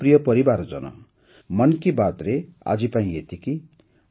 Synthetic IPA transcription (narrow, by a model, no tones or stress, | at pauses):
prijʌpʌɾibard͡zʌ̰nʌ̰ | mʌnkibat̪rea̰d͡zipaĩet̪iki